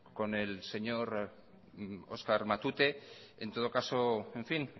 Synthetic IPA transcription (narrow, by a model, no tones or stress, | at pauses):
ko̞nelse̞ɲo̞ɾ | o̞̰skaɾmat̪ut̪e̞ent̪o̞ð̞o̞kaso̞eɱfin